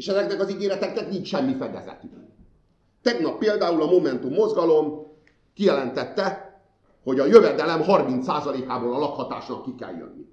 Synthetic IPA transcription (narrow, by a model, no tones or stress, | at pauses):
eːʃɛzɛknɛkɒziɡeːɾɛt̪ɛknɛknint͡ʃʃɛmːifɛd̪ɛ̰zɛ̰t̪y | t̪ɛɡnɒpːeːld̪aːulɒmo̞mɛnt̪umːo̞zɡɒlo̞m | kijɛlɛnt̪ɛt̪ːɛ | hoɟɒjøvɛd̪ɛlɛmɦɒrmint̪saːzɒleːkaːboːlɒlɒkhɒt̪a̰ːʃnɒkːikɛ̰ljø̰nːḭ